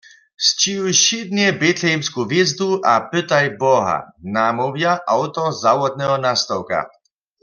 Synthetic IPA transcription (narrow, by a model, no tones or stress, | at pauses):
st͡ɕijujɕid̪njɛbɛt̪lɛjmskuvjɛzd̪uʔapɪt̪ajbɔɦa̰namɔvjaʔawt̪ɔzawɔd̪̚nɛɦɔnast̪ɔwka̰